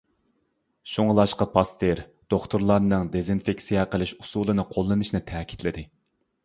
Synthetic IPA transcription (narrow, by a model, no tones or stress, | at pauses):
ʃuŋlˠɑʃqɑpʰɑst̪eɾd̪̥oχt̪ʰuɾlˠɑɾnɨŋd̪ezinfekʲsijɛqəlˠɪʃusulˠɨnɨqʰolˠːɨnɨʃnɨt̪ʰɛːkʲʰi̥t̪ʰlɪd̪ɪ